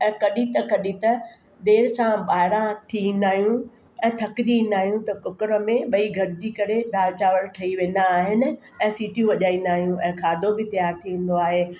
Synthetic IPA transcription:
ɛ̃ːkɐɗĩt̪ɐkɐɗĩt̪ɐ | d̪eːɾsãɓaːɪɾãʈ̪ʰiĩːnd̪aːɦjũ | ɛ̃ːt̪ʰɐkɪd͡ʑiĩːnd̪aːɦijũt̪ɐkʊkɪɾəmẽɓɐiɡʱɐɾɪd͡ʑiːkɐɾed̪aːʋt͡ɕaːʋəɾʈʰɐiʋẽːn̆d̪aːɦɪnɪ̆ | ɛ̃ːsiːʈjũʋɐʄaːĩːn̆d̪aːɦijũʔɛ̃ːkʰaːd̪ʱobɪt̪ɐjaːɾt̪ʰiʋẽn̆d̪oaːɦeː

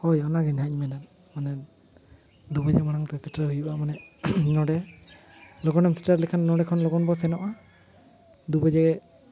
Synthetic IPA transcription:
hɔjɔnaɡɛnaɲ̚mɛnan | manɛ | d̪ubɔd͡ʒɛmaɽaŋʈɛkɛtɾaɦujuʔamanɛ | nɔɽɛ | lɔɡɔnɛmsi̥ʈaɾlɛkʰanːɔɽɛkʰɔnlɔɡɔnbɔsɛnɔʔa | d̪ubɔd͡ʒɛɡɛ

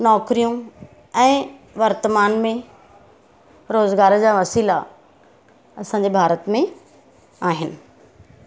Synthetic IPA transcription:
nɔːkɾijũ | ɛ̃ːʋɐɾt̪əmaːnmẽ | ɾoːzɡaːɾd͡ʑaːʋɐsiːla | ɐsãːɲ̆d͡ʑebʱaːɾət̪mẽ | aːɦɪnɪ̆

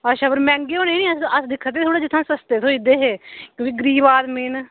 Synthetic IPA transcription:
əʃaːbəɾmɛ̃ːŋɡeːoːneːnĩːəsəsd̪ɪkʰːət̪eːt̪ʰoːɽaːd͡ʒɪt̪ʰːãːsəst̪eːt̪ʰõːid̪eːɦeːkõːkiːɡəɾiːbaːd̪mɪn

